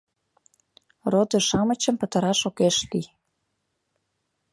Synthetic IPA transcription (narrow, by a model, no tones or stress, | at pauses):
rod̪ə̆ʃɑmət͡ɕə̆mpə̆t̪ə̆ɾɑʃokeʃli